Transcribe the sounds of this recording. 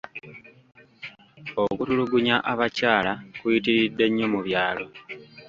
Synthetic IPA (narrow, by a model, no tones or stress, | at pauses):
o̞kutuluɡuɲaʔaβacaːlakuitiɾidːe̞ɲːo̞muβjaːlo̞